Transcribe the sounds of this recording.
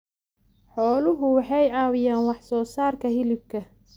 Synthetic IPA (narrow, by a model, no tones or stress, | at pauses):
ħɔːlʊɦʊwɑħɑjɑːwɪjaːnwɑħsɔːsaːrkʰɐɦɪlɪb̚kʰɐ